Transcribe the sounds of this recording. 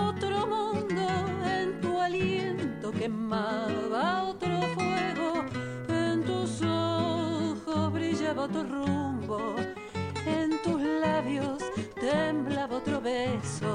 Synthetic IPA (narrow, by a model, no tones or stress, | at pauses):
ot̪ɾo̞mũnd̪oe̞nt̪ualjent̪oke̞maβaot̪ɾofwe̞ɣo | ent̪usoxozβɾiʒaβaot̪ɾorumbo | ent̪uzlaβjost̪emblaβaot̪ɾo̞βeso